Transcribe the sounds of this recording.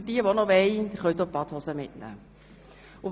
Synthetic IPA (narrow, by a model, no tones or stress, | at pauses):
diəʋonɔʋɛɪnd̪ɪɾχœɥt̪oːpɑt̪hɔsəmɪtnæ̰ː | ʊ